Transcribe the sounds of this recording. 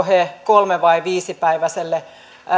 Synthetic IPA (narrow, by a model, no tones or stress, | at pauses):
heːkolmeʋɑiʋiːsipæiʋæselːe